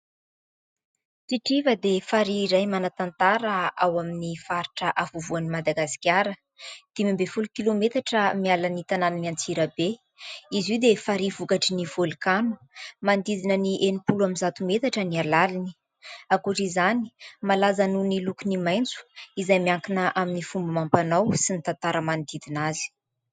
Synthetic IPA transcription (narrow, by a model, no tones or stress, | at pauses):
t͡siʈ͡ʂivəd̪efaɾiːɾajmanat̪ant̪aɾəawaminifaɾiʈ͡ʂəʔafuvuanimad̪aɡasi̥kʲaɾə | d̪̥emimbefulukilomet̪aʈ͡ʂəmialanit̪ananumant͡siɾəbe | iziwd̪efaɾivukaʈ͡ʂinivolikanu̥ | mand̪id̪inəniʔenipuluaminzat̪umet̪aʈ͡ʂənialalini | akuʈ͡ʂizani̥malazanunilukunimajnt͡su̥izajmiaŋkinəʔaminifumbəmampanawsinit̪ant̪aɾəmand̪id̪inazi̥